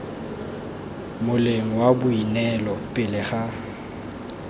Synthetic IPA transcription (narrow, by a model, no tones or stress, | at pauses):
mʊleŋ̩wabʊinɛlɔpʼɪlɪχa